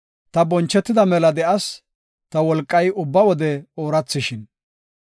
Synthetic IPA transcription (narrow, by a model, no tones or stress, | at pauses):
t̪ɐbɔnt͡ʃːɛt̪ːɪd̪ɐmɛlɐd̪ɛʔɐs | t̪ɐwɔlkʼːɐjʊbːɐwɔd̪ɛoːɾɐt͡sːɪʃɪn